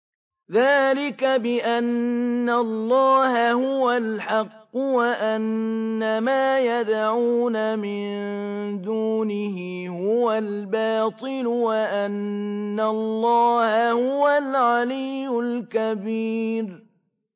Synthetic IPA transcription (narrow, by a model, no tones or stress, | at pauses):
ðaːlɪkabɪʔanːalːɑːhahʊwalħɑqːʊwaʔanːamaːjad̪ʕuːnamɪnd̪uːnɪɦɪ | hʊwal | bɑːt̪ˤɨlʊwaʔanːalˤːɑːhahʊwalʕalijːʊlkabiːɾ